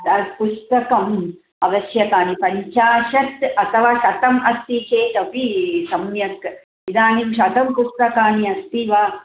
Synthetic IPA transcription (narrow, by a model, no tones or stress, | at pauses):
d̪ɐɾpust̪ɐkɐm | ɐʋɐsjɐkaːnipɐɲt͡ʃaːʃɐt̪ɐt̪ʰɐʋaːʃɐt̪ɐmɐst̪it͡ʃeːt̪ɐpisɐmjɐk | id̪aːnimʃɐt̪ɐmpust̪ɐkaːniɐst̪iʋaː